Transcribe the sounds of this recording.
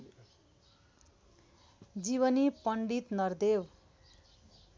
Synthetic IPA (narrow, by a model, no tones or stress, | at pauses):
d͡ziβʌnipʌɳɖit̪nʌrd̪ew